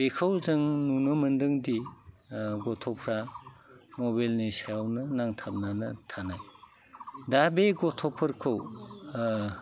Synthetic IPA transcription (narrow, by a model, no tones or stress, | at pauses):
bekʰawzɯŋnunɔmɐndɯŋdi | ɡɔtʰɔpʰɾa | mɔbajlnesajawnɯnaŋtʰap̚nanɐtʰanaj | dabeɡɔtʰɔpʰɯɾkʰɯw